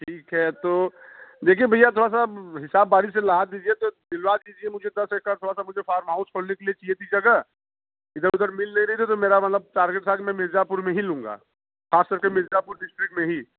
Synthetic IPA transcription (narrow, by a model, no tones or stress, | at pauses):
ʈʰiːkɦɛt̪oːd̪eːkʰiebʱɐjat̪ʰoːɾas̬aɦɪsaːbːaːɾiselɐɦaːt̪̚d̪iːd͡ʒiet̪od̪ɪlwaːd̪d̪iːd͡ʒiemʊd͡ʒʱed̪ɐsekkaːɾt̪ʰoːɽasamʊd͡ʒʱefaːɾmɦaːʊsɦoːlnekeliet͡ʃiet̪ʰid͡ʒɐɡɐ | ɪd̪əɾʊd̪əɾmɪlnɐɦiɾɐɦit̪ʰit̪omeːɾamɐt̪ləb̚ʈaːɾɡeʈsaːkmɛ̃mɪzapʊɾmẽɦilũːŋɡa̰ː | xaːskɐɾkemɪzapʊɾɖɪsʈɾɪkmẽɦi